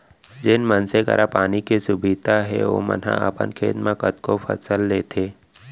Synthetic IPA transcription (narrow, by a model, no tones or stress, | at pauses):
d͡ʒɪnmənsekə̰ɾʔapaːnikesʊbɪd̪ʱaɦɛ̰o̰mə̰nɦã̰əpə̰nkʰḛːt̪mãkət̪kopʰə̰səlːeːt̪ʰeː